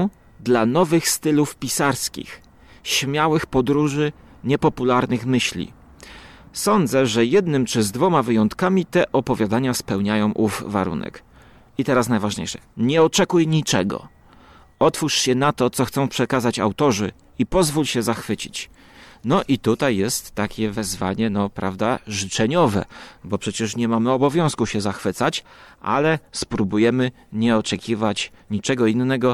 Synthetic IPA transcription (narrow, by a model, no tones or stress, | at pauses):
d̪lanɔvɘxst̪ɘlufpʲisaɾskʲḭx | ɕmʲjawɘxpɔd̪ɾuʐɘ | ɲɛpɔpulaɾnɘxmɘɕlʲḭ | sɔnd̪zɛʐɛjɛd̪nɘmt͡ʂɘzd̪vɔmavɘjɔnt̪kamʲit̪ɛʔɔpɔvʲjad̪aɲaspɛwɲajɔ̃w̃ʔuvva̰ɾṵnɛ̰k | it̪ɛɾasnajvaʐɲḛjʂɛ̥̰ɲɛɔt͡ʂɛkujɲit͡ʂɛ̰ɡɔ̰ | ɔt̪fuʂɕɛnat̪ɔt̪sɔxt̪sɔ̃w̃pʂɛkazat͡ɕawt̪ɔʐɘ | ipɔzvulɕɛzaxfɘt͡ɕḭt͡ɕ | nɔʔit̪ut̪ajːɛst̪ːakʲɛvɛzvaɲɛnɔpɾavd̪aʐɘt͡ʂɛɲɔvɛ̰bɔpʂɛt͡ɕɛʂɲɛmamɔbɔvʲjɔ̃w̃skuɕɛzaxfɘt̪sat͡ɕʔa̰lɛspɾubujɛmɘ | ɲɛɔt͡ʂɛkʲʰivat͡ɕ | ɲit͡ʂɛɡɔinːɛɡɔ